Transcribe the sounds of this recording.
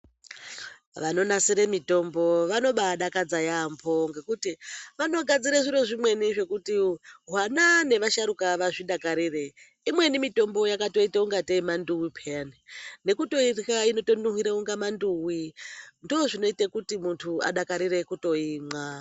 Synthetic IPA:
ʋano̞nasiɾemito̞mbo̞ʋano̞ɓaɗakad͡zajambʰo̞ŋɡe̞kutiʋano̞ɡʱad͡ziɾaʐiɾoʐimwe̞niʐe̞kutiɦwanane̞ʋaʃaɾukaʋaʐiɗakaɾire | imwe̞nimito̞mbo̞jakato̞itauŋɡateimanduwipʰeanine̞kuto̞irkaino̞to̞nuɦiɾeuŋɡamanduwindːʐino̞itekutimuntʰua̰ɗakaɾire̞kuto̞ima

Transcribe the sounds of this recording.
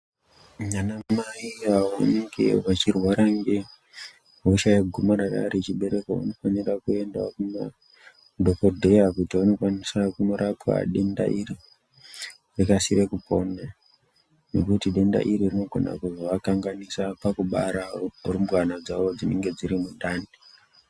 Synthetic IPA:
mɲanamaiaa̰neŋɡe̞̰ʋat͡ʃirwaɾaŋɡe̞ | ɦuʃajaɡʱumaɾara̰ret͡ʃiɓe̞ɾe̞kaa̰no̞fanirakue̞ndwa̰kuma̰ | dʱokordʱejakutiʋano̞kwanisakuno̞ɾʔapa̰ɗe̞nda̰ʔiri | rikasiɾekupo̞na | ne̞kutiɗe̞nda̰ʔiɾirino̞ɡʱo̞na̰kuzoʋakaŋɡanisapakuɓa̰ɾarumbwanad͡zaʋo̞d͡zine̞ŋɡe̞d͡ziɾimuɗani

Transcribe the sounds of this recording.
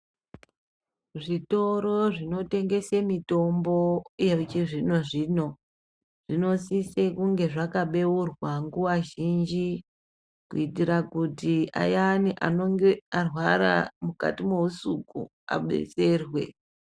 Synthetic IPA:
ʐito̞ɾo̞ʐino̞te̞ŋɡe̞semito̞mbo̞jet͡ʃiʐino̞ʐiːno̞ | ʐ̥ino̞sisekuŋɡe̞ʐakaɓe̞urwaŋɡuwaʒind͡ʒi | kuitiɾakutia̰janiʔa̰noŋɡearwaɾa̰muka̰timo̞usukṵ | a̰ɓe̞̰t͡se̞rwe̞̰

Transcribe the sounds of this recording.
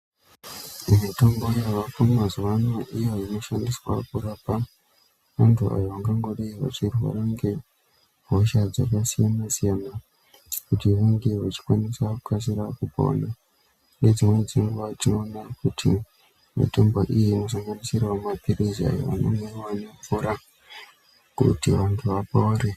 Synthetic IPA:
mito̞mbojaʋakomazuʋanwaʔijoino̞ʃandiswa̰kuɾapa | ʋantʰua̰joʋaŋɡaŋɡo̞ɗaiʋa̰t͡ʃirwa̰ɾaŋɡe̞ | ɦoʃad͡zakasijanasijana | kutiʋuŋɡeʋat͡ʃi̥kwanisakukas̬iɾakupa̰na | nɡe̞d͡zimwe̞d͡ziŋɡuʋatino̞ːnakutʰi | ma̰tombaʔijino̞s̬aŋɡanisirwamapiɾizia̰jo̰ʋa̰nomerwaneɱfuɾa | kṵtiʋantʰuʋapauɾe

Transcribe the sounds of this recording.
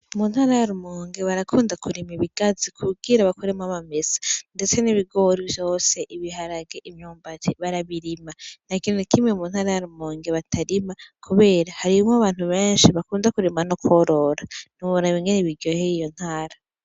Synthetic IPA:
umunhaːɾajaɾumoːŋɡeβaɾakʰuːndakʰuɾimiβiɡ̥azikʰuɡiɾaβakuɾemaβamesḁnde̞t͡se̞niβiɡo̞ɾivjo̞ːse̞ʔiβiɦaɾaɡeʔimɲuːmbatiβaɾaβiɾimanakinonikʰimŋemunhaːɾajaɾumoːŋɡeβatʰaɾimakʰuβe̞ːɾahaɾimaβaːn̥huβe̞ːnʃiβakuːnzakuɾimanokʰoɾo̞ɾan̥uβoɾaβiŋɡeneβiɾɟojeijo̞n̥haːɾa

